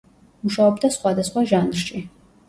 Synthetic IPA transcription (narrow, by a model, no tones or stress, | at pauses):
muʃawɔbd̪ɐsχʷad̪ɐsχʷaʒaːnrt͡ʃʼi